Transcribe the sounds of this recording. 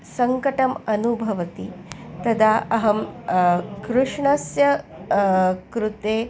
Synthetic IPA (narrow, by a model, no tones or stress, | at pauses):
sɐŋkɐʈɐmɐnubʱɐʋɐt̪it̪ɐd̪ʱaɐɦɐm | kɾuʂɳɐsjɐ | kɾut̪eː